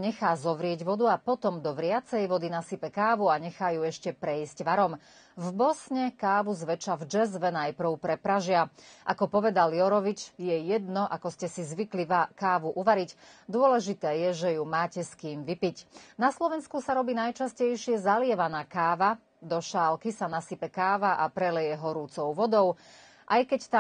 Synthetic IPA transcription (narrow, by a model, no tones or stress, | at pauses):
ɲɛxaːzɔʋɾɪɛɟʋɔd̪uapɔt̪ɔmd̪ɔʋɾɪat͡sɛjʋɔd̪inasipɛkaːʋuaɲɛxajuɛʃcɛpɾɛizcʋaɾɔm | vbɔsɲɛkaːʋuzʋɛt͡ʃavd͡ʒɛzʋɛnajpɾ̩ʊpɾɛpɾaʒɪaʔa̰kɔpɔʋɛd̪aljɔɾɔʋit͡ʃjɛjɛd̪nɔʔakɔscɛsizʋikliʋakaːʋuʔuʋaɾicd̪ʊɔlɛʒit̪ɛːjɛʒɛjumaːcɛskiːmʋipicnaslɔʋɛnskusaɾɔbiːnajt͡ʃascɛjʃɪɛzalɪɛʋanaːkaːʋa | d̪ɔʃaːlkisanasipɛkaːʋaʔapɾɛlɛjɛɦɔɾut͡sɔʊʋɔd̪ɔʊ | ʔajkɛct̪a